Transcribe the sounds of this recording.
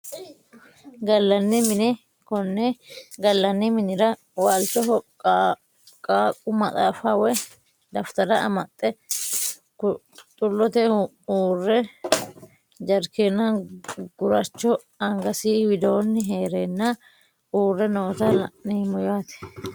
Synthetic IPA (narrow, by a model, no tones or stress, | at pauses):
ɡɐlːɐnːɪmɪnɛ | kɔnːɛɡɐlːɐnːɪmɪnɪɾɐ | walt̪ɔɦɔ | kʼaːkʼʊmɐt̪ʼaːfɐwɛ | d̪ɐft̪ɐɾɐʔɐ̰mɐt̪ʼːɛ | k | t̪ʼʊlːɔt̪ɛ | uːrːɛ | d͡ʒɐɾkeːnːɐɡʊɾɐt͡ʃːɔ | ɐŋɡɐsiːwɪd̪oːnːɪɦeːɾenːɐ | ʔuːrːɛnɔːt̪ɐniːmɔjaːt̪ɛ̥